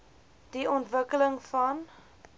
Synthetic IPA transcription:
d̥iɔntvəkələŋfɐn

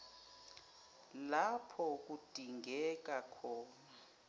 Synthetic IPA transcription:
lapʰɔk̬ud̥ʱiŋɡɛk̬akʰɔːna

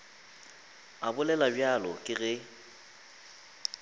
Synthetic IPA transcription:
abʊlɛlabjalɔkʼɪɣɛ

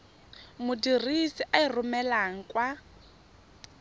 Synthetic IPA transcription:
mʊdirisiʔairʊmɛlaŋ̩kʼwa

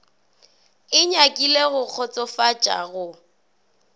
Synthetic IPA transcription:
ɪɲakʼileɣʊk͡xʰɔt͡sʼɔfat͡ʃʼa̰ɣʊ

